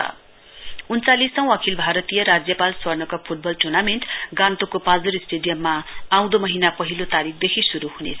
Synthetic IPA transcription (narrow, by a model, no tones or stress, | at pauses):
unt͡salisʌ̃w̃ʌkʰilbʱaɾʌt̪ijʌɾad͡zjʌpalswʌrnʌkapʰuʈ̚bʌlʈurnameɳʈɡãnt̪okopãd͡zuɾisʈeɖijʌmːaaw̃d̪omʌɦinapʌɦilot̪aɾik̚ʰd̪ekʰisuɾuɦunḛt͡sʰ